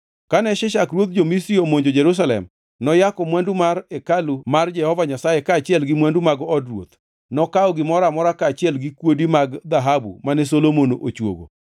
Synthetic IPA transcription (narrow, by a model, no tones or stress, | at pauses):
kanɛʃɪʃakrwot̪̚d͡ʒomisɾiomoɲd͡ʒod͡ʒɛɾus̬alɛ̰m | nɔjakɔmwandumarɛkalumard͡ʒɛhɔvaɲasajekaːt͡ʃɪɛlɡɪmwandumaɡɔɔdrwo̰t̪ | nɔkaɔɡɪmɔɾamɔɾakaːt͡ʃɪɛlɡɪkwodimaɡd̪aɦabṵmanɛsolomonoʔot͡ʃwo̰ɡo̰